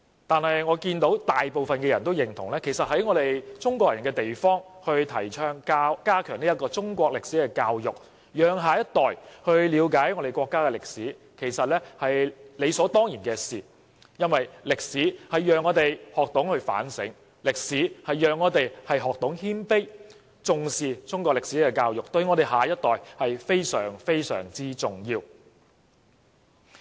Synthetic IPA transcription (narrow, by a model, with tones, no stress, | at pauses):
t̪aː˨nhɐ˨jŋɔː˨˧kiː˧nt̪o˨˥wt̪aː˨jpo˨wfɐ˨nkɛː˧jɐ˨˩nt̪o˥wjɪ˨˩ŋt̪ʰʊ˨˩ŋlɛː˥kʰe˨˩jsɐ˨t̚hɐ˨˥jŋɔː˨˧t̪e˨jt͡sʊ˥ŋkʷɔː˧k̚jɐ˨˩nkɛː˧t̪e˨jfɔː˥ŋhɵ˧ɥt̪ʰɐ˨˩jt͡ʃʰœː˥ŋkaː˥kaː˥kʰœː˨˩ŋliː˥jɐ˥kːɔː˧t͡sʊ˥ŋkʷɔː˧k̚lɪ˨k̚siː˨˥kɛː˧kaː˧wjʊ˨˩k̚ | jœː˨ŋɦaː˨jɐ˥t̚t̪ɔː˨jhɵ˧ɥliː˨˧wkaː˨˥jŋɔː˨˧ɾe˨jkʷɔː˧kːaː˥kɛː˧lɪ˨k̚siː˨˥ | kʰe˨˩jsɐ˨t̚lɛː˥hɐ˨jle˨˧jsɔː˨˥t̪ɔː˥ŋjiː˨˩nkɛː˧siː˨˩ | jɐ˥nwɐ˨jlɪ˨k̚siː˨˥hɐ˨jːœː˨ŋːɔː˨˧t̪e˨jhɔː˨k̚t̪ʊ˨˥ŋhɵ˧ɥfa̰ː˨˥nsɪ̰˨˥ŋ | lɪ˨k̚siː˨˥hɐ˨jːœː˨ŋːɔː˨˧t̪e˨jhɐ˨jɦɔː˨k̚t̪ʊ˨˥ŋhiː˥npe˥j | t͡sʊ˨˧ŋsiː˨t͡sʊ˥ŋkʷɔː˧k̚lɪ˨k̚siː˨˥kɛː˧kaː˧wjʊ˨k̚t̪ɵ˧ɥŋɔː˨˧ɾe˨˩jɦaː˨jɐ˥t̚t̪ɔː˨˩jhɐ˨jfe˥jsœ̰ː˨˩ŋfe˥jsœ̰ː˨˩ŋt͡siː˥t͡sʊ˨˩ŋjiː˧w